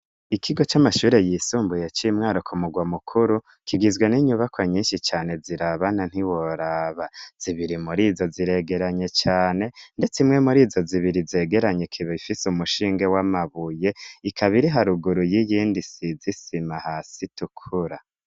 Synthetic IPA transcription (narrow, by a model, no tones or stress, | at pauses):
ikʰiɡo̞t͡ʃamaʃuːɾe̞jisuːmbujet͡ʃimŋaːɾukʰumuɡwamukʰuɾu | kʰiɡizwe̞niɲuβakwaɲiːnʃit͡ʃaːne̞ziɾaβanan̥iwo̞ɾaːβaz̥iβiɾimuɾiːzo̞ziɾe̞ɡe̞ɾaɲe̞t͡ʃaːne̞nde̞t͡simŋe̞muɾiːzo̞ziβiɾize̞ːɡe̞ɾaɲekʰiβeifisumuʃiːŋɡe̞wamaβuje̞ikʰaβiɾiɦaɾuɡuɾujijiːndisizisimahaːsitukʰuɾa